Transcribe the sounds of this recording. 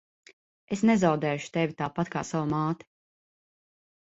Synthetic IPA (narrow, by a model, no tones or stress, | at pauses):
esnɛzawd̪ɛːjuʃu̥t̪evʲit̪aːpat̪ka̰ːsawamaːt̪i̥